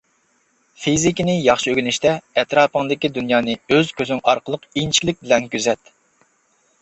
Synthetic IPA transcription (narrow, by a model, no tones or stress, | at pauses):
fizikʲinɪjɑχʃøɡʲynɪʃt̪ʰɛɛt̪ɾɑːpəŋd̪ɪkʲid̪unjɑːnɨøz̥kʲʰøzyŋɑɾqəlˠəqint͡ʃʰi̥kʲlɪk̚ʲbɪlɛnkʲyzɛt̪